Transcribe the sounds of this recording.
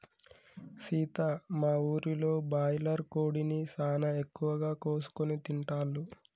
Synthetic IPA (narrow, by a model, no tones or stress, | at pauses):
ʃiːt̪amaːuːɾilo̞ːbaːjlɐɾkoːɽinisaːnɐekːuʋɐɡaːko̞ːsu̥konit̪iɳʈaːlːu